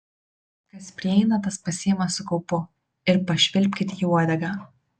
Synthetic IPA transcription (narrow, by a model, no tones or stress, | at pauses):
kɐspʲɾʲɪɛɪnɐt̪ɐspɐsʲiːmɐsːʊkɔʊpʊ | ɪɾpɐʃʲʋʲɪlʲpʲkʲɪt̪ʲiuɔd̪ʲɛɡɑ